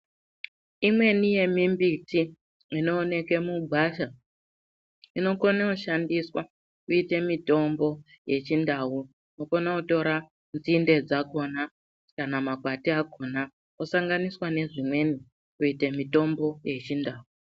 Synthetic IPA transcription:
imwe̞nije̞mimbitiː | no̞ːne̞ke̞muɡʱwaʃa | ino̞konauʃandiswa | kuite̞mito̞mbo̞ | je̞t͡ʃindau | nokonauto̞ɾa | nd͡zinde̞d͡zako̞na | kanamakwatiako̞na | usaŋɡaniswane̞ʐimwe̞ni | kuite̞mito̞mbo̞je̞t͡ʃindaːu

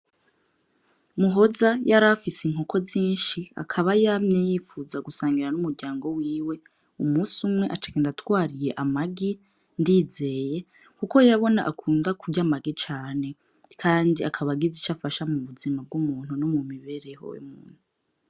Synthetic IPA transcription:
muɦo̞zajaɾafisiŋ̥hokʰo̞ziːnʃia̰kʰaβajamɲejiːfuzaɡusaːŋɡiɾanumuɾɟaːŋɡo̞wiːwe̞ | umuːsumŋe̞ʔat͡ʃḁkendatwaːɾije̞ʔamaɡi | ndiːze̞je̞ | kuko̞jaβo̞na̰ʔakʰuːndakuɟamaɡit͡ʃaːne̞ | kʰaːndiakʰaβaɡizit͡ʃafaʃamuβuzimab̚ɡumuːn̥unomumiβe̞ɾe̞ho̰jḛmuːn̥u

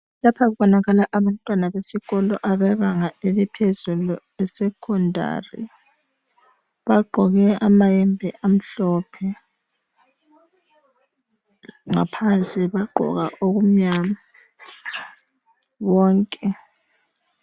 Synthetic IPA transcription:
lapʰaɣuβɔnaɣalaʔaβantʼwanaβesiɣɔlɔ̰ʔaβɛβaŋaelipʰezulu | ɛsɛkʰɔndʱa̰rḭ | βaɡ͡ǃʱɔɣɛamajɛmbʱɛʔam̩ɬɔpʰɛ | ŋapʰansʼiβaɡ͡ǃʱɔ̰ɣaʔoɣum̩ɲama | βɔːŋkʼɛ

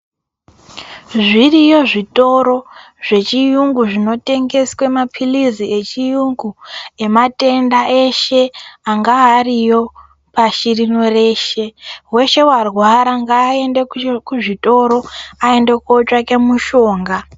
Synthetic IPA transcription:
ʐirijo̞ʐito̞ɾo̞ | ʐ̥e̞t͡ʃijuŋɡuʐino̞te̞ŋɡe̞swe̞mapʰilizie̞t͡ʃijuŋɡue̞mate̞ndae̞ʃe̞aŋɡaɦːrijo | paʃirino̞re̞ːʃe̞we̞ʃe̞warwaɾaŋɡaːe̞ndekuʐito̞ɾo̞ae̞nde̞kot͡ʂake̞muʃo̞ːŋɡa

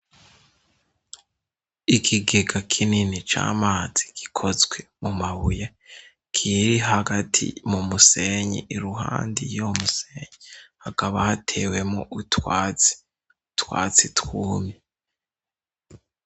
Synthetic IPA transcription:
ikʰiɡeɡakʰininit͡ʃa̰ːmaːz̥i̥ɡ̥i̥kʰo̞zɡwe̞mumaβuje | kʰiɾiɦaɡatʰḭmumuse̞ɲḭʔiɾuɦa̰ːndijomuseɲihakaβahatʰe̞ːwe̞moʔutwat͡si̥ | utwa̰ːt͡sitwuːmɲe

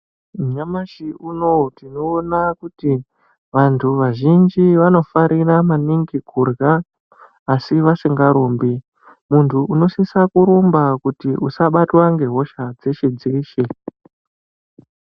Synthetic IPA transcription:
mɲamaʃiunotino̞ːnakuti | ʋantʰuʋaʒind͡ʒiʋano̞faɾiramaniŋɡikurɡaː | siʋasiŋɡaɾoːmbi | muntʰuʔuno̞sisakuɾombakutiʔusaɓatwaŋɡe̞ɦo̞ʃad͡zeʃed͡zeːʃe

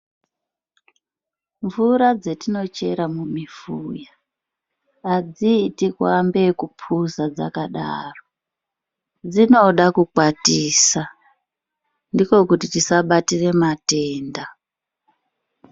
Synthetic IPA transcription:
ɱvuɾad͡ze̞tino̞t͡ʃe̞ɾamumifuːja | d͡zitikwambe̞kupʰuzad͡za̰kaɗa̰ːro | d͡zino̞ɗakukwatiːsa | ndiko̞kutitisaɓatire̞mate̞ːnda

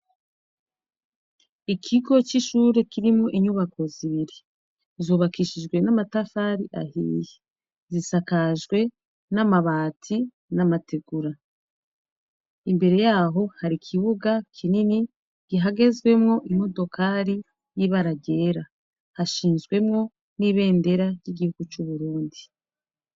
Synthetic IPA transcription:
ikʰiɡo̞t͡ʃiʃuɾe̞kiɾimŋoʔiɲuβako̞ziβiɾi | zo̞βakiʃiʒɡwe̞namatafaɾiʔa̰ɦḭje | zisakaʒɡwe̞ | namaβaːtʰi | namatʰeɡ̥uɾa | imbe̞ɾe̞jaːɦo̞haɾikʰiβuɡakʰinini | ɡ̥iɦaɡe̞zɡwe̞mŋo̞ʔimo̞do̞kʰaɾi | jiβaɾaɟe̞ːɾa | haʃiːnzɡwe̞mŋo̞ | niβe̞ːnde̞ɾajiɡihuɡ̥ut͡ʃuβuɾuːndi

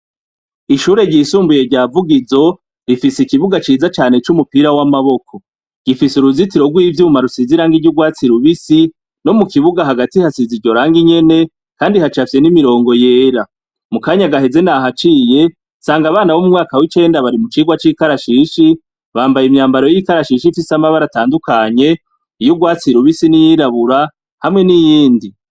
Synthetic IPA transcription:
iʃuːɾe̞ɟiːsuːmbuje̞ɾɟaːvuɡizo̞ | ɾifisikiβuɡat͡ʃiːzat͡ʃaːne̞t͡ʃumupiɾawamaβo̞kʰo̞ | ɡ̥ifisuɾuzitiɾo̞ɡwiːvjumumaɾusiziɾaːŋɡiɟuɡwaːt͡siɾuβisi | no̞mukiβuɡaɦaɡatihasiziɟo̞ɾaːŋɡiɲe̞ne̞ | kaːndihat͡ʃafje̞nimiɾo̞ːŋɡo̞je̞ːɾa | mukaːɲaɡaɦe̞ze̞naɦat͡ʃiːje̞ | saːŋɡaβaːnawomumŋaːkawit͡ʃe̞ːndaβaɾimut͡ʃiːɡwat͡ʃikaɾaʃiʃi | βaːmbajimɲaːmbaɾo̞jikaɾaʃiʃifisamaβaɾataːndukaɲe̞ | ijuɡwaːt͡siɾuβisinijiɾaβuɾa | hamŋe̞nijiːndi

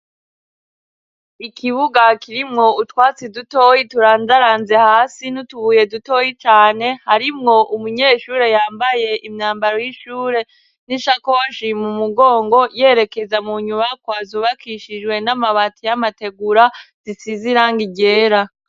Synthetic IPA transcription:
ikʰiβuɡakiɾimŋo̞utwaːt͡siduto̞jituɾaːnzaɾaːnze̞haːsinutuβuːje̞duto̞jit͡ʃaːne̞haɾimŋo̞ʔumuɲeːʃuːɾe̞jaːmbaje̞ʔimɲaːmbaɾojiʃuːɾe̞ | niʃakoʃimumuɡo̞ːŋɡo̞je̞ːɾe̞ke̞zamuɲumakwaːzuβakiʃid͡ʒwe̞namaβatijamate̞ɡuɾaz̥isiziɾaŋɡiɟe̞ːɾa

